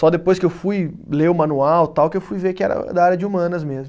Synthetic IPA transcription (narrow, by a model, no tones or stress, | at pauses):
sɔd̪epojskɪewfuj | leʊmɐ̃nuawt̪awkɪewfujvekɪɛ̰ɾɐ̰d̪ɐaɾjɐd͡ʒɪumɐ̃nɐzmezmʊ